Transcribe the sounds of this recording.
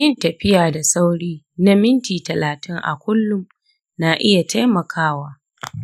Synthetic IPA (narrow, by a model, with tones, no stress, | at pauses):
jɪ˦ntɐ˨ɸɪ˦jaː˨da˨sa˦wɽiː˦ | na˦mɪ˦ntiː˨tɐ˨laː˨tɪ˦ŋʔa̰˨kʷʊ˦lːʊ˦m | na˨ʔɪ˦ja˨tʰa˦jmɐ˨kʰaː˦waː˦